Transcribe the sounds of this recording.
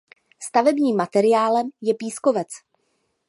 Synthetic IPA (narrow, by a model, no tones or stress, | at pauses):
st̪avɛbɲiːmːat̪ɛɾɪjaːlɛmjɛpiːsko̞vɛt͡s